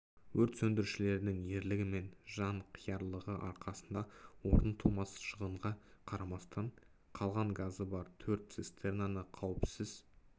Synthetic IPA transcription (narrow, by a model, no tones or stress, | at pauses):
wɵɾt̪sɵnd̪ɪɾʃɪle̞ɾd̪ɪŋje̞ɾlɪɡʲɪme̞nʒɑɴqʰijɑɾlˠəʁəʔɑɾqʰɑsənd̪ɑwo̞ɾənt̪ʰumɑsʃəʁəɴʁɑqʰɑɾɑmɑst̪ɑɴ | qʰɑlˠʁɑɴɡazəbɑɾt̪ʰɵɾt̪sist̪ernanəqʰɑwəpsɪz̥